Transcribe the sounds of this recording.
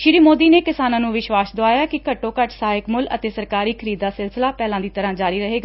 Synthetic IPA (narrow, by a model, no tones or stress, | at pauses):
ʃɪɾiːmoːd̪iːneːkɪsaːnãːnũːʋɪʃʋaːsd̪oaːjaːkɪkəʈːõːkəʈsaːɪkmʊlə̰t̪eːsəɾkaːɾiːkʰəɾiːd̪ːaːsɪlsɪlaːpɛːlãːd̪iːt̪əɾãːd͡ʒaːɾiːɾəɦeːɡaː